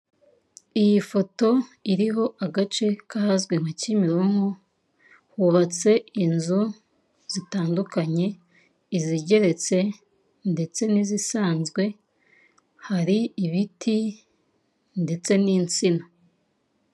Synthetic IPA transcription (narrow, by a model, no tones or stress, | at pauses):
ijifo̞to̞iɾiɦo̞ʔaɡat͡ʃe̞kaazɡwe̞ŋ̥acimiɾoŋo | huβat͡se̞inzu | z̥itaːndukaɲe̞ | iziɟe̞ɾe̞t͡se̞ | nde̞t͡se̞nizisaːnzɡwe̞ | haɾiiβitʰi | nde̞t͡se̞niːnt͡sina